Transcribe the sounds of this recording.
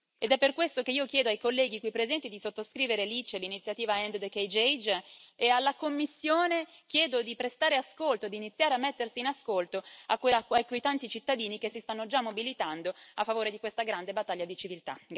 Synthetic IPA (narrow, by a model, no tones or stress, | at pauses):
ed̪ɛpːerkwest̪okeiːokjɛːd̪oajkolːɛːɡikwipːɾezɛnt̪id̪isot̪ːoskɾiːveɾelit͡ʃelinit̪sjat̪iːvaɛnd̪d̪ekejd͡ʒejd͡ʒealːakomːisːjoːnekjɛːd̪od̪ipɾest̪aːɾeaskolt̪oed̪iːnit̪sːjaːɾeamːet̪ːersiːnaskolt̪oakːelaajkojt̪ant̪it͡ʃit̪ːad̪iːnikesist̪anːod͡ʒamːobilit̪and̪oafːavoːɾed̪ikwest̪aɡɾand̪ebat̪ːaʎːad̪it͡ʃivilt̪a̰